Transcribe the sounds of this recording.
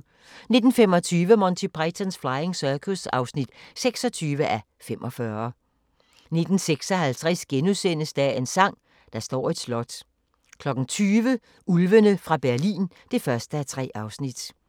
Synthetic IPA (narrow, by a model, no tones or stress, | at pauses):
ne̝d̥n̩fem̰ɒ̽t͡sʰyːʋəmɒnt͡sʰepʰʁɛt͡sʰænsflɑ̈ɪeŋsœkʰusɑ̈ʊsnid̥seɡ̥sɒ̽t͡sʰyːʋəʔæ | femʔɒ̽fɶɐ | ne̝d̥n̩seɡ̥sɒ̽ɦælt͡sʰʁɛsɡ̥enusenəsd̥ɛe̝nsɑ̈ŋ̰ | d̥ɑ̈sd̥ɒ̰ːe̝d̥slɒ̽d̥ | kʰlɒ̽ɡ̥n̩t͡sʰyːʋə | ulʋənəfʁɑ̈b̥æɐlḭːn | d̥e̝fɶɐsd̥əæt͡sʰʁɛ̰ːʔɑ̈ʊsnid̥